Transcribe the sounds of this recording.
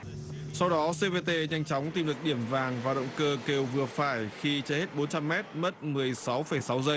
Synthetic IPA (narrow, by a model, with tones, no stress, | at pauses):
sa˧wɗɔ˨˦se˧ve˧t̪e˧ɲa˧jŋ̟t͡ɕɔ˨˦wŋ͡mt̪i˧mlɨ˨˩k̚ɗi˧˩əmvaː˨˩ŋvaː˨˩ɗə̰˧˨wŋ͡mkəː˧ke˨˩wvɨ˨˩əfaː˧˩jxi˧t͡ɕə˧˥he˦˥t̚ɓo˨˦nt͡ɕa˧mːɛ˦˥t̚mə˦˥t̚mɨ˨˩əjsa˨˦wfə˧˩jsa˨˦wzə˧j